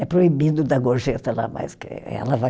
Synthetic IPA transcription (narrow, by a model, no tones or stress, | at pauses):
ɛpɾoibid̪ʊd̪ɐɡoɾʒet̪ɐla̰ma̰skɪ̰ɛ̰lɐva